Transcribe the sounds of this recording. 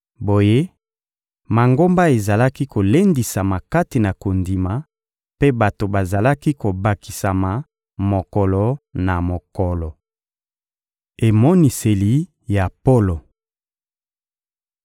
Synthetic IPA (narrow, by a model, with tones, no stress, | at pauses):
bo˨je˦ | ma˨ŋɡo˦mba˦e˨za˨la˦ki˦ko˨le˦ndi˨sa˨ma˨ka˦ti˨na˨ko˨ndi˨ma˨ | pe˦ba˨to˨ba˨za˨la˦ki˦ko˨ba˨ki˨sa˨ma˨ | mo˨kɔ˨lɔ˨na˨mo˨kɔ˨lɔ˨ | e˨mɔ˦ni˨se˨li˨ | ja˨po˦lo˨